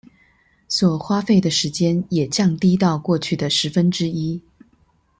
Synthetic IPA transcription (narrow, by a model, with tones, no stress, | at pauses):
swɔ˨˩xwa˥fe˥˩ɪd̪ə˩ʂɻ̩˧˥t͡ɕjɛ˥njɛ˨˩t͡ɕjɑ˥˧ŋt̪i˥t̪ɑ˥˧ʊkwɔ˥˧t͡ɕʰy˥˩d̪ə˩ʂɻ̩˧˥fə˥nʈ͡ʂɻ̩˥i˥